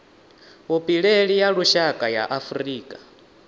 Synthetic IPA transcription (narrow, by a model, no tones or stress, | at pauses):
upʼiɺɛɺijaɺuʃakʼaja̰ʔafuɾiːkʼḁ